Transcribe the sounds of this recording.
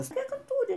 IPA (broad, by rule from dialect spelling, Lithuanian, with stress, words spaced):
ˈʋʲɪs ˈtʲiɛk ˈkɑː ˈtuːrʲɪ